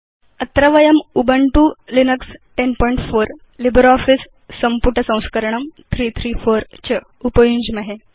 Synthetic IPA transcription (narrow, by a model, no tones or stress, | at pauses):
ət̪ɾəʋɐjəmubəɳʈulinəksʈenpɔĩɳʈfoɾ | libɾɔfisː | əmpuʈəsə̃w̃skəɾəɳəmt̪ʰɾiːt̪ʰɾiːfoɾt͡ɕə | upəjuɲd͡ʑmɐɦe